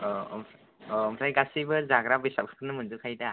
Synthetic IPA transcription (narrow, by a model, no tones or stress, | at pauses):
ɔɔms | ɔɔmsajɡasibɯzaɡɾabisapʰɯ̥kʰɯnɯmɯndukʰajda